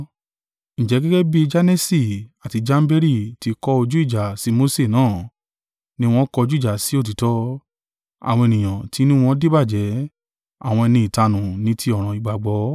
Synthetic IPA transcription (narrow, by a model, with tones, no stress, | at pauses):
n̩˨d͡ʒɛ˨˦ɡɛ˦ɡɛ˦bi˦d͡ʒa˦nɛ˦si˦˨a˨ti˧d͡ʒa˦m̩˦be˦ɾi˦˨ti˨˧kɔ˧o˧d͡ʒu˦i˦˨d͡ʒa˨si˨˦mo˦se˦˨nãː˦˨ | nĩ˧˦w̃ɔ̃˦kɔ˧o˧d͡ʒu˦˨d͡ʒa˨si˨˦o˦˨t̬i˨˦tɔ˧˦ | a̰˨w̃ɔ̃˧e˨nĩ˨j̃ã˨ti˨˦nĩ˦w̃ɔ̃˦de˦ba˦˨d͡ʒɛ˨˦ | a̰˦˨w̃ɔ̃˧ɛ˧nĩ˧i˨ta˧nũ˨nĩ˦tʰi˧˦ɔ˨ɾ̃ã˨i˨ɡ͡ba˨ɡ͡bɔ˨˦